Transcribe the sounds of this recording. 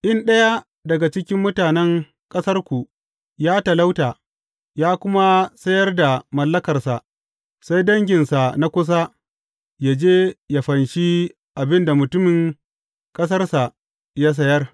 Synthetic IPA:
ʔɪ˦nɗɐ˦ja˦ | dɐ˨ɡa˨t͡ʃɪ˦kʲɪ˦mːʊ˦taː˨nɛ˦ŋ | kʼɐ˦sɐ˦rkʷu˨ | jaː˦tɐ˨la˦wtaː˨ | jaː˦kʷʊ˦ma˦sɐ˦jɐ˦rda˨mɐ˨lːɐ˦kɐ˨rsa˨ʔ | sa˦jdɐ˦ŋɡʲɪ˨nsa˨na˦kʷʊ˦s̬a˦ | jaː˦d͡ʒeː˦ja˨ɸɐ˨nʃi˦ | ʔa˨bɪ˦nda˨mʊ˨tʊ˦mɪ˨ŋ | kʼɐ˦s̬ɐ˦rsa˨ | ja˦s̬ɐ˦jɐ˦r

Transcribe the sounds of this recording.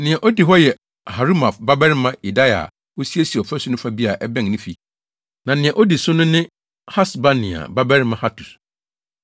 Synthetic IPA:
nɪ̃˨ɛ̃˨ʔo˦di˨ɦɔ˦jɛ˨ | ha˨ɾu˦ma˨fba˦bɛ˦ɾɪ˦mã˦i˨da˦ja̰˨ | o˦si˦e˦si˨ɔ˨fɛ˦sʊ˦nʊ̃˦fa˦bi˦a˨ʔɛ˦bɛ̃˦˨ŋnɪ̃˦fi˨ | nã˨nɪ̃˨ɛ̃˨ʔo˦di˨sʊ˦nʊ̃˦nɪ̃˦ | ha˦sba˦nɪ̃˨a̰˨ba˦bɛ˦ɾɪ˦mã˦ha˦tʰu˨s

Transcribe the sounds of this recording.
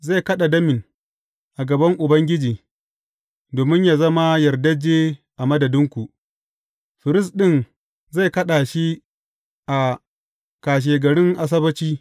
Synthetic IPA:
za˦˨kɐ˦ɗa˨dɐ˦mɪ˨n | ʔa˨ɡɐ˨bɐ˦ŋʔʊ˨bɐ˦ŋɡʲɪ˦d͡ʒiː˨ | doː˨mɪ˦ɲjaː˨zɐ˦ma˦jɐ˨rdɐ˦d͡ʒeː˦ʔa˨mɐ˦dɐ˨dɪ˦ŋkʷu˨ʔ | ɸɪ˨ɾɪ˦s̬ɗɪ˦n | za˦˨jkɐ˦ɗa˨ʃi˦ | ʔa˨ | kaː˨ʃ̬eː˨ɡɐ˨ɽɪ˦ŋʔa˨s̬ɐ˦bɐ˦t͡ʃiː˦

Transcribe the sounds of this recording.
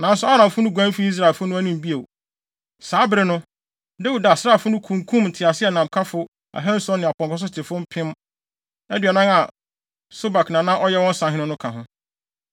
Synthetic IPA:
nã˨˦n˦sʊ˦a˦ɾã˨m˨fʊ˦nʊ̃˦ɡʷã˦m˦fi˦i˦s̬ɾa˨lfʊ˦nʊ̃˦æ˦nĩ˨m˨bi˦e˨ | saː˨˦bɪ˦ɾɪ˦nʊ̃˦ | da˦wu˨da˨sa˦˨fʊ˦nʊ̃˦kʰũ˨ŋkʰũ˦mn̩˨tʰɪ˨a˨sɪ˦ɛ˨nã˨mkʰa˦fʊ˦ | a̰˨ɦã˦n˦sɔ̃˦nːɪ̃˨a˨pɔ̃˨ŋkɔ˦s̬ʊ˦tʰɪ˨fʊ˦m̩˦pʰɪ̃˦m | ɛ˦dɥɛ˨nã˦ŋa˨ | so˦ba˨knã˨nã˦ʔɔ˦jɛ˦wɔ̃˦n̩˦sã˨ɦɪ̃˦nʊ̃˦nʊ̃˦kʰã˨ɦʊ̃˦

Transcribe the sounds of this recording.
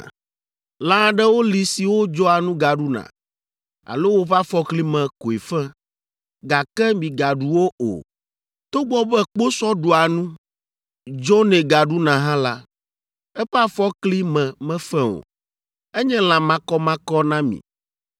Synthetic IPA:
lã˦ɖɛ˦wo˦li˨si˨wo˦d͡ʒɔ˦a˨nũ˦ɡa˨ɖu˦nã̰˨ | a̰˨lo˦wo˦ɸa˦fɔ˦kli˦mɛ̃˨ko˨e˨fɛ˦ | ɡa˨kɛ˦mĩ˨ɡa˨ɖu˨wo˦ʔo̰˨ | t̪o˦ɡ͡bɔ˦bɛ˦k͡po˦sɔ˦ɖo˨a˨nũ˦ | d͡ʒɔ˦nɛ̃˨ɡa˨ɖu˦nã˨ɦã˦la˦ | ɛ˦ɸɛ˦a˦fɔ˦kli˦mɛ̃˨mɛ̃˦fɛ̃˦o̰˨ | ɛ˦ɲɛ̃˦lã˨mã˦kɔ˦mã˦kɔ˦nã˦mḭ̃˨

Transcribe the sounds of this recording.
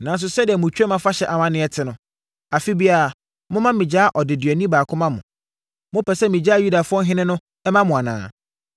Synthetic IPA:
nã˨n˦s̬ʊ˨sɛ˦dɪ˨ɛ˨mʊ̃˨t͡ɕʰᶣɛ˦mã˦fa˦ɕɛ˨ʔa˨mã˦nɪ̃˦ɛ˨tʰɪ˦nʊ̃˨ | a˨fi˦bi˦a˨a˨ | mʊ̃˦mã˦mĩ˨d͡ʑaː˦ʔɔ˨dɪ˨dɥɛ˨nĩ˦baː˨kʰʊ̃˦mã˦mʊ̰̃˨ | mʊ̃˦pʰɛ˨sɛ˦mĩ˨d͡ʑa˦˨ju˦da˨fʊ˦ɔ˦ɦɪ̃˦nɪ̃˦nʊ̃˦ | ɛ˦mã˦mʊ̃˨a˨nã̰ː˨

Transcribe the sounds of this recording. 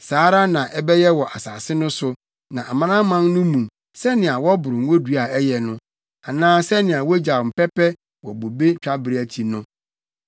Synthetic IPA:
saː˨˦ɾa˦nã˨ʔɛ˦bɛ˦jɛ˦wɔ˨ʔa˨saː˨sɪ˦nʊ̃˦sʊ˦ | nã˨ʔa˨mã˦nã˦mã˦nnʊ̃˦mũ˨ | sɛ˦nɪ̃˨a˨wɔ˦bʊ˨ɾʊ̃˨ŋ˦wo˦du˦a˨ɛ˦jɛ˨nʊ̃˦ | a˨nãː˦sɛ˦nɪ̃˨a˨wɔ˦d͡ʑa˨m̩˨pɛ˦pɛ˦ | wɔ˨bo˨be˦t͡ɕᶣa˦bɪ˨ɾe˦æ˨tʰi˨nʊ̃˦

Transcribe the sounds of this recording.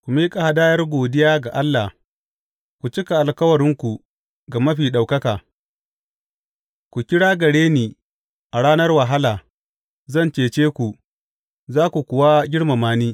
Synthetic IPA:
kʷu˨miː˦kʼa˨ha˦daː˦jɐ˦rɡʷoː˨dɪ˦jaː˦ɡa˨ʔa˦lːa˨ | kʷu˨t͡ʃɪ˦ka˨ʔa˨lkɐ˦wɐ˨ɽɪ˦ŋkʷu˨ | ɡa˨mɐ˦ɸiː˨ɗa˨wkɐ˦kaː˨ | kʷu˨kʲɪ˦ɽaː˦ɡɐ˨ɽeː˦niː˨ | ʔa˨ɽaː˦nɐ˦rwa˨ɦa˦laː˨ | zɐ˦˨nt͡ʃeː˨t͡ʃeː˦kʷu˨ | zaː˦kʷu˨kʷʊ˨wa˦ɡʲɪ˦ɽma˨maː˦niː˦

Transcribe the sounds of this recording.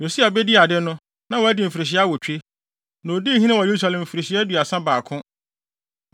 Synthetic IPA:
jo˨si˦a˨bɛ˦dɪ˦a˨dɪ˦nʊ̃˦ | nã˨wɔ˨æ˦dɪ˨m̩˨fi˨ɾɪ˨ɕ̬ɪ˦a˦wɔ˨t͡ɕᶣe˦ | nõ˨o˨di˦ɦĩ˦nɪ̃˦wɔ˨je˨˦ɾu˦sa˨lɛ̃˨m̩˨fi˨ɾe˨ɕɪ˦ɛ˦du˨a˨sã˦baː˨kʰʊ̃˦

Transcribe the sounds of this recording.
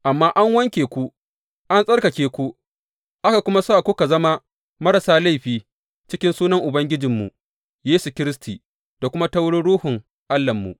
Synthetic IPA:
ʔa˨mːaː˦ʔa˦ŋwɐ˦ŋkʲeː˨kʷu˦ | ʔa˦nsʼɐ˦rkɐ˨kʲeː˨kʷu˦ | ʔa˦ka˨kʷʊ˦ma˦soː˦ʔa˨kʷu˦ka˨zɐ˦ma˦ | mɐ˦ɾɐ˨saː˦la˦˨jɸiː˦ | t͡ʃɪ˦kʲɪ˦nsuː˦nɐ˦ŋʔʊ˨bɐ˦ŋɡʲɪ˦d͡ʒɪ˨mːṵ˨ | jeː˦su˨kʲɪ˦ɾɪ˦stʰiː˨ | d̥a˨kʷʊ˦ma˦tɐ˦wɽʊ˦ɽuː˦hʊ˨ŋ | ʔa˦lːɐ˨mːṵ˨ʔ

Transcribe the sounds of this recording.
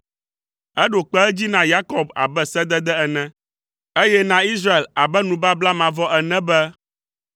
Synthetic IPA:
ɛ˦ɖo˨k͡pɛ˦ɛ˦d͡ʑi˦nã˦ja˦kɔ˨ba̰˨bɛ˦sɛ˦d̪ɛ˦d̪ɛ˦ɛ˨nɛ̃˦ | e˦jɛ˦nã˦i˦sɾa˦e˨la˨bɛ˦nũ˨ba˦bla˦mã˨vɔ˦ʔɛ˨nɛ̃˦bɛ˦

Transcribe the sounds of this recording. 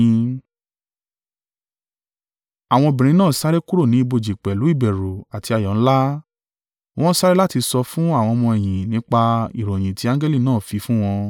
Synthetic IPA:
a˨w̃ɔ̃˧bĩ˨ɾ̃ĩ˨˦nãː˦˨sa˦ɾe˦ku˦ɾo˦˨nĩ˨˦i˧bo˧˨d͡ʒi˨k͡pɛ˨lu˨˦i˦˨bɛ˨ɾo˨a˨ti˧a˨jɔ̃˨ñ̩˦la˦ | w̃ɔ̃˦sa˦ɾe˦la˦ti˧sɔ˧fũ˦a˦˨w̃ɔ̃˧mɔ̃˧ɛ˨j̃ĩ˨nĩ˨˦k͡pa˧i˨ɾo˨j̃ĩ˨ti˨˦ã˦ɡɛ˦li˦˨nãː˦˨fi˧fũ˦w̃ɔ̃˧

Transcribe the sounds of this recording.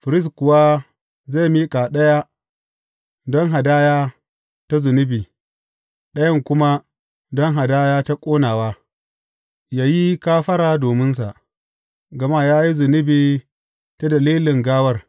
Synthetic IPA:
ɸɪ˨ɾɪ˦s̬kʊ˨wa˦ | za˦˨miː˦kʼa˨ɗɐ˦ja˦ | dɔ˦ŋɦa˨daː˦jaː˦ | ta˦zʊ˨nɪ˦biː˨ | ɗɐ˦jɐ˦ŋkʷʊ˦ma˦ | dɔ˦ŋɦa˨daː˦jaː˦ta˦kʷʼoː˦naː˨waː˦ | jaː˦ji˦kaː˦ɸɐ˦ɾaː˨doː˨mɪ˦ns̬a˨ʔ | ɡɐ˨ma˦˨jaː˦ji˦zʊ˨nɪ˦biː˨ | ta˦dɐ˨liː˦lɪ˨ŋɡaː˦wɐ˦r

